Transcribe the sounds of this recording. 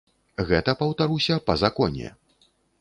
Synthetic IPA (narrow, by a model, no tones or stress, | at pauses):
ɣɛt̪ɐpɐwt̪aɾusʲɐpɐzakɔnʲɛ̰